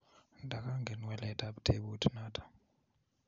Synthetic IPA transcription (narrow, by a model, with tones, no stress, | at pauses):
ndʱa˨ka˦ŋɡɛ˨nwɛ˦lɛ˨tʰʼa˦ɓutʰe˦ɓu˦tʰi˦naː˦tʰḁ˨